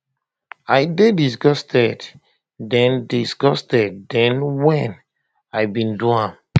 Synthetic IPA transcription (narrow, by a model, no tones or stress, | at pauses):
ajdedisɡɔstʰɛd | dɛ̃ndisɡɔstɛd̚dɛ̃nwɛ̃n | ajbĩnduãn